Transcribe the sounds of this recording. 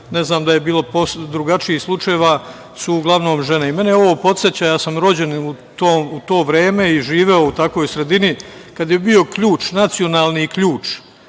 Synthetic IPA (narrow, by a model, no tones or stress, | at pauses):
ne̞znaːmd̪aje̞biːlˠo̞posd̪ɾuɡat͡ʃiixslˠut͡ʃajeʋaː | suːɡlˠaʋno̞ːmʒe̞neime̞neo̞ʋo̞po̞t̪set͡ɕajaːsamɾo̞d͡ʑe̞nut̪oːmut̪o̞ːʋɾe̞ːme̞iʒiːʋe̞out̪ako̞jsɾe̞d̪inikad̪je̞bio̞kʎuːt͡ʃnat̪sijo̞naːlˠniːkʎuːt͡ʃ